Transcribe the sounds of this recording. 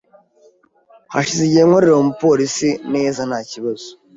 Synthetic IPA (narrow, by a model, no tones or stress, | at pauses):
haʃiziɟeːŋoɾeɾeomupo̞ɾisineːzanaːciβazo̥